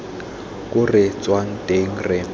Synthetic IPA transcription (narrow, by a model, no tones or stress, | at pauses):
kʼʊrɪt͡swaŋ̩tʼeŋ̩rɪ